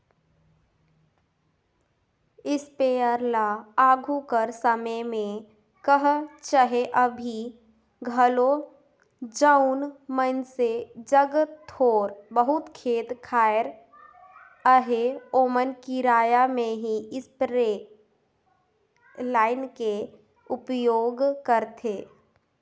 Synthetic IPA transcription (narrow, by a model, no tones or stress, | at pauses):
ɪspeəɾlaaɡʱukəɾsəməjmẽ | kəɦt͡ʃəɦeʔəbʱi | ɡʱəlo | d͡ʒəʊnmənsed͡ʒəɡt̪ʰoːɾbəɦʊt̪kʰeːt̪kʰaːjɾ | əɦeoːmənkiɾaːjamẽɦiɪspɾe | laːɪnke | ʊpjoːɡkəɾt̪ʰeː